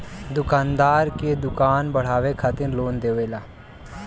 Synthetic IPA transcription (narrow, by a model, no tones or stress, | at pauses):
d̪ʊkaːnd̪aːɾked̪ʊkaːnbɐɽ̤aːʋekʰaːt̪ɪɾloːnd̪eːʋeːlaː